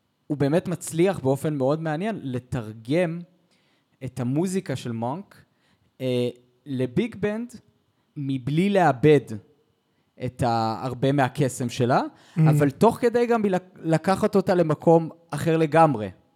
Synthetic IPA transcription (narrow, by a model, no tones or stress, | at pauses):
ube̞ːmetmat͡sliaχbe̞o̞fe̞nmeo̞dmeanje̞nle̞taʁɡe̞m | ethamuzikaʃe̞lmaŋk | le̞biɡbend | miblile̞abe̞d | ʔet̪a̰ːʁbe̞meake̞se̞mʃe̞la | avalto̞χke̞dejɡamilalakaχat̪o̞tale̞makʰo̞m | aχeʁle̞ɡamʁe̞̰